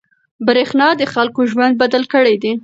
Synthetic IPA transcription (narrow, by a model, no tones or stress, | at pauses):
bɾexnɑd̪əxalkoʒwand̪̚bad̪alkəɽejd̪e